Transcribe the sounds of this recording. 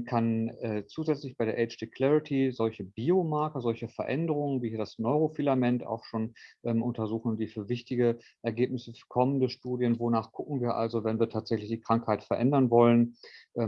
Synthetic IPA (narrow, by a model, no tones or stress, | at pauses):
kʰanɛːt͡suːzɛt͡slɪçb̥aɪɾeɐʔɛɪt͡ʃd̥ikʰl̥ɛʁɪtʰizɔlçəbiːomaɐkɐzɔlçəfɛɐʔɛndəʁ̞ʊŋənviːhiːɐdasnɔʏʁ̞ofilamɛnta̰ʊxʃoːnʔɛːmʔʊntɐzuːχn̩d̥iːfyːɐvɪçtɪɡə | ʔɛɐɡeːp̚nɪsəfyːɐkʰɔməndəʃtuːdjənvonaːχɡ̥ʊkŋ̩viːɐʔa̰lzovɛnviːɐtʰaːtz̥ɛçlɪçd̥iːkʁ̥aŋkhaɪtfɛɐʔɛndɐnvɔlənʔɛː